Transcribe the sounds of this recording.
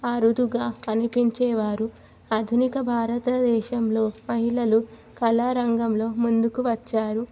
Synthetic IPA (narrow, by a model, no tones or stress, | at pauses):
ɐɾud̪uɡaːkɐnipiɲt͡ʃɛːʋaːɾu | ɐd̪ʱunikɐbʱaːɾɐt̪ɐd̪ɛːʃɐmlo̞ːmɐɦiɭɐlu | kɐlaːɾɐŋɡɐmlo̞ːmund̪ukuʋɐt͡ʃːaːɾu